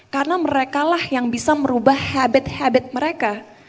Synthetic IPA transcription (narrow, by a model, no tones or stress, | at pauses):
karənaməɾekalahjaŋbisaməɾubahhabɪt̪habɪt̪̚məɾeka